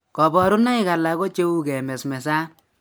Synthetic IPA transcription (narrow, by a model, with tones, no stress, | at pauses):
kɔ˨bɔ˨ɾʊ˦na˦ɪ˦ka˨la˨ko˦t͡ʃe˦u˦kɛ˨mɛ˨smɛ˨sa˦